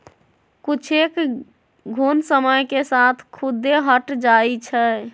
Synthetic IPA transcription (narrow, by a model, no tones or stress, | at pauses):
kut͡ʃʰek | ɡʱunsəməjkesat̪ʰkʰud̪eɦəʈd͡ʒait͡ʃʰɛ